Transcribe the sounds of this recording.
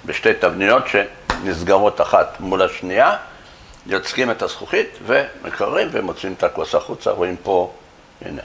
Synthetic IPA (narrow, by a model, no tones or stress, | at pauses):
beʃte̞jt̪avnijo̞tʃe̞ | nizɡaʁo̞taχat̪mulaʃnia | jot͡skime̞tasχuχit̪vemʔḛkaʁːimvemot͡siimet̪akuasaχut͡sa̰ʁoimpo̞ | ḭne